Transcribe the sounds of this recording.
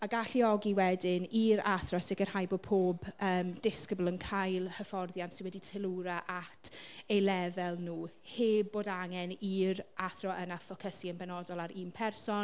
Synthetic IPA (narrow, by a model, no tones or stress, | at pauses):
aɡaɬiɔɡiwɛdɪniɾa̰θrɔsɪkər̥hajboːd̚pʰoːbəːmd̥ɪskəbəlˠənkʰajlˠhəfɔrðjantsɪnwɛditʰɪlˠuɾaʔatʰejlɛvɛlˠnuː | heːb̚ːoːdaŋɛniɾaθrɔʔənafɔkʰəsiənbɛnɔdɔlˠaɾiːnpʰɛrsɔn